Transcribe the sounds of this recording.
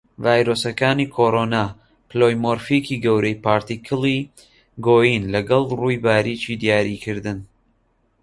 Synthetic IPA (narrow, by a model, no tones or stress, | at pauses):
vaːjɾosɐkaːniːkʰoːɾoːnaː | pɨlojmoɾfikiːɡɐwɾejpaːɾt̪ikʰɨlˠi | ɡoːjinlɐɡɐlˠruːjbaːɾit͡ʃiːd̪ijaːɾikʰɨɾd̪ɨn